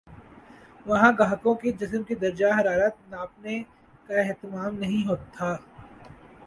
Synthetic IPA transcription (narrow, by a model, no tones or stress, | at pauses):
ʋɐɦãɡaːɦkõkid͡ʒɪsmkid̪ɐɾd͡ʒaɦɐɾaːɾət̪̚naːp̚ne | kaɛɦt̪ɪmaːmnɐɦĩɦoːt̪ʰːaː